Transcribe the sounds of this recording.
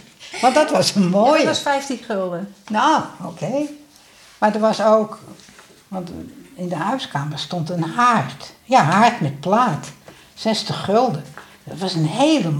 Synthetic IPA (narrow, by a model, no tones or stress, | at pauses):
ʋɔntdɔtʋɔsənmoːjəɔsfɛjftinχølˠdənookʰeː | madəʋɔsoːk | ʋɑntɪndəhœɥskaːmərstontənhartjaɦartmɛt̚plaːt | sɛstəχølˠdə | dɔtʋɔsənheːlə